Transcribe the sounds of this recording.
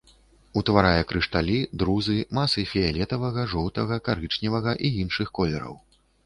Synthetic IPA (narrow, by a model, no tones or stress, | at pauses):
ut̪vaɾajɛkɾɨʂt̪alʲid̪ɾuzɨmasɨfʲijalʲɛt̪ɐvɐɣɐʐɔwt̪ɐɣɐkaɾɨt͡ʂnʲɛvɐɣɐʔiinʂɨxkɔlʲɛɾɐ̰w